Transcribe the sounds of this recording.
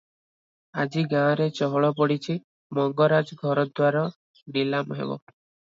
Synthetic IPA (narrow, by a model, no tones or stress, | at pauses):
ad͡ʒiɡãɾet͡ʃɔɦɔɭɔp̬ɔɽit͡ʃʰi | mɔŋɡɔɾad͡ʒɡʱɔɾɔd̪waɾɔ | nilamɦḛbɔ̰